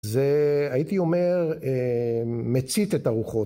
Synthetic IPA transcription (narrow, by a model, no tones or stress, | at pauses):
zeajit̪io̞me̞ʁemet͡sit̪et̪aʁuχo̞